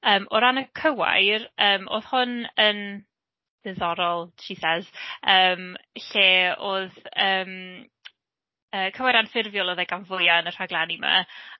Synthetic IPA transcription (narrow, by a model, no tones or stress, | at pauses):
əːmɔɾanəkʰəwa̰jrəːmo̰ːð̥hʊnən | ðɛðɔɾɔlˠʃisɛd̥əːmɬeːoːðəːm | əːkʰəwajɾanfɪrvjɔlˠɔðɛɡanvʊjaənər̥aɡlˠanima̰